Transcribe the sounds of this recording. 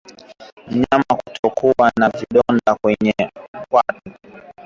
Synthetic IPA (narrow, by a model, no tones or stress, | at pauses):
m̩ɲaamaku̥tʰɔkʰuwanaviɗɔndakwɛɲɛm̩kwatu